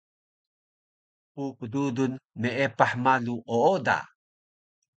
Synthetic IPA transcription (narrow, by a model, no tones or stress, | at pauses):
pukədudunmeʔepaħmaluʔooda̰